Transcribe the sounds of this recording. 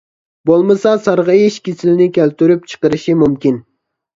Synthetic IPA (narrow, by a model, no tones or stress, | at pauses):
bolˠmɨsɑsɑɾʁɑjiʃkʲisɪlɪnɪkʲʰælt̪yɾyp̚t͡ʃʰə̥qəɾɨʃimumkʲin